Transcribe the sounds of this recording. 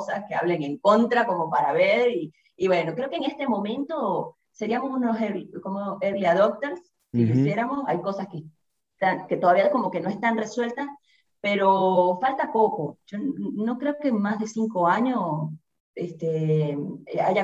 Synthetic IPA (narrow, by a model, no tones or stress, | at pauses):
saske̞aβleŋe̞ŋko̞nt̪ɾakomo̞paɾaβeɾiː | βwe̞no̞kɾe̞okeŋe̞st̪e̞mõ̞mẽ̞nt̪o̞ | se̞ɾiamosunoseɾkomoeɾliaðok̚t̪eɾs | sikisje̞ɾamo̞sajko̞saske | t̪aŋke̞t̪oðaβiako̞mo̞ke̞no̞e̞st̪anre̞swe̞lt̪a | pe̞ɾo̞falt̪apo̞koʝ̥o̞no̞kɾe̞oke̞ŋmazðe̞siŋko̞aɲo̞s | est̪e | aʝa